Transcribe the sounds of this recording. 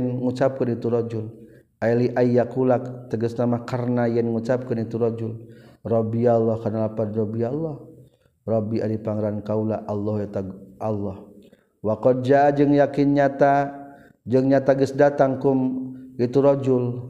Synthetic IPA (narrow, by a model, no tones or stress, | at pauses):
nŋut͡ʃap̚kənit̪uɾɔd͡ʒul | ajliʔaijːakulakt̪əɡəsnamakarnajɛnŋut͡ʃap̚kənit̪uɾɔd͡ʒulrɔbialːɔhkarnalapanrɔbialːɔh | rɔbiʔadipaŋɾankaulaʔalːɔhjat̪aɡʔalːɔh | wakɔd͡ʒad͡ʒəŋjakinɲat̪a | d͡ʒəŋɲat̪aɡəsdat̪aŋkumit̪uɾɔd͡ʒul